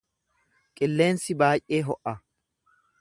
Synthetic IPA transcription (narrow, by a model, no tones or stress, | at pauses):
kʼɪlːe̞ːnsɪbaːjʔʔeːɦɔʔɐ